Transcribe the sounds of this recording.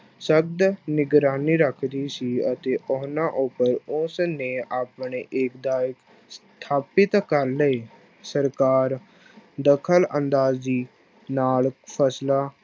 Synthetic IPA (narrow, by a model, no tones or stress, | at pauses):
səb̚d̪nɪɡɾaːniːɾəkʰɾiːsiːət̪eːʔʊɦnãːʔʊpəɾʊsneːaːpneːʔeːkd̪aːjək | st̪ʰaːpɪt̪kəɾləeː | səɾkaːɾ | d̪əkʰələnd̪aːzd̪iː | naːlpʰəslaː